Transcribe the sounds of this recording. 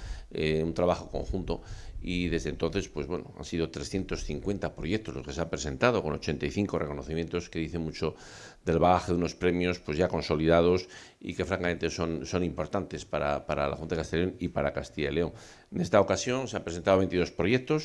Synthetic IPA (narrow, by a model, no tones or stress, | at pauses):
eunt̪ɾaβaxo̞ko̞̰ŋxunt̪o̞iðe̞zðe̞nt̪o̞nθe̞spwe̞zβwe̞̰noa̰nsið̞o̞t̪ɾe̞sθje̞nt̪o̞sθiŋkwe̞nt̪apɾo̞je̞k̚t̪o̞zlo̞skeseampɾe̞se̞nt̪að̞o̞ko̞no̞t͡ʃe̞nt̪ajθiŋko̞reko̞no̞θimje̞nt̪o̞ske̞ðiθe̞mut͡ʃo̞ | ðe̞lβaɣaxeðuno̞spɾe̞mjo̞spwe̞zʝako̞nso̞liðað̞o̞s | ḭke̞fɾaŋkamẽ̞nt̪e̞so̞nso̞nĩmpo̞ɾt̪ant̪e̞spaɾa̰paɾala̰xunt̪aðekast̪eʎonipaɾakast̪iʎaeleoŋ | ne̞st̪aokasjo̞nseampɾes̬ent̪aðoβent̪iðo̞spɾo̞je̞k̚t̪o̞s